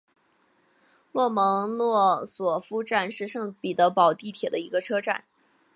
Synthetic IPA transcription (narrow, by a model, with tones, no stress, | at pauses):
lwɔ˥˩mɤ˧˥ŋlwɔ˥˩swɔ˨˩fu˥ʈ͡ʂa˥˧nʂɻ̩˥˧ʂɤ˥˩ŋpi˨˩t̪ɤ˧˥pɑ˨˩ʊt̪i˥˩t̪ʰjɛ˨˩d̪ə˦i˧˥ɡə˧ʈ͡ʂʰɤ˥ʈ͡ʂa̰˥˩n